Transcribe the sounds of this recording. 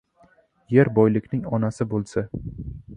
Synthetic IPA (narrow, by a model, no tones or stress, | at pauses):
je̞ɾbɒjlɪkʲnɪŋɒnasɪbolˠsa